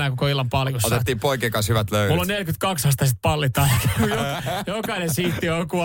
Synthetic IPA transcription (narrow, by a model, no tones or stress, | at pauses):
ækukoilːɑmpɑlsot̪et̪ːiːmpoikeːkɑnshyʋæt̪løymulːonelkyt̪kɑkshɑst̪ɑsit̪̚pɑlːit̪ːɑɑkkujojokɑinensiːt̪ːioku